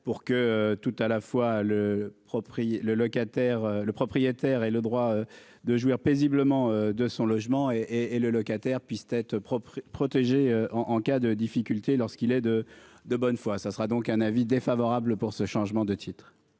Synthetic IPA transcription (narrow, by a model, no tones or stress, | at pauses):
puʁkəøt̪ut̪alafwaləpχɔpχijeləlɔkat̪ɛʁøləpχɔpχijet̪ɛʁɛləd̪ʁwaø | d̪əʒwiʁpezibləmɑ̃ød̪əsɔ̃lɔʒmɑ̃eeːləlɔkat̪ɛʁpɥist̪ɛt̪χəpχɔpχɔt̪eʒeøʔɑ̃ʔɑ̃kad̪əd̪ifikʲylt̪elɔʁskʲilɛd̪əd̪əbɔnfwasasəʁad̪ɔ̃kɛ̃navid̪efavɔʁabləpuʁsəʃɑ̃ʒmɑ̃d̪ət̪ʰit̪χ